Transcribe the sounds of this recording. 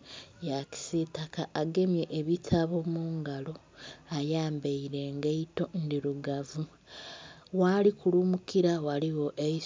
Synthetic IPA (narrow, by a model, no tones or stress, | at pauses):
jaki̥sitakaʔːɡe̞mje̞ʔːβitʰaβomuːŋɡalo̞ | ajaːmbeiɾe̞ŋɡeito̞ndiɾuɡavu | walikulumukiɾawaliwo̞ʔei